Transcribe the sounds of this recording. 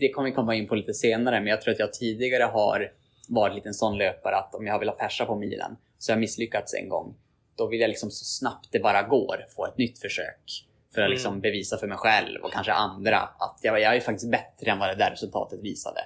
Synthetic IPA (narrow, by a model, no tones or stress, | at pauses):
d̪̥ɛkʰɔmːəjkʰɔmːaɪnːpʰɔliːt̪əseːnaɾəmɛnjɑɡt̪ʰɾuːɾat̪jɑːɡ̚t̪ʰiːd̪ɪɡaɾəɦa̰ɾ | vɑːɾɪt̪liːt̪ɛnsɔnːløːpaɾəat̪ɔmjajhaɾvɪlːat̪pʰæʂapʰɔmḭːlʔə̰n | sɔjahaɾmɪsːlʏkːat̪sɛ̰ŋɡɔ̰ŋː | d̪̥ɔvɪljajlɪksɔmsɔ̥snap̚t̪̚d̪ɛbɑːɾaɡoːɾfoːɛt̪nʏt̪ːfœʂø̰ːk | fœɾat̪lɪksɔmbɛviːsafœɾmɛjɧɛlvɔ̰kʰanʂə̰ʔand̪ɾa̰a̰t̪ʰjɑjɑajəfak̚t̪ɪst̪̚bɛt̪ːɾəɛnvad̪ɛd̪æɾɛsɵlt̪ʰɑ̰ːt̪ət̪vḭːsa̰d̪ɛ̰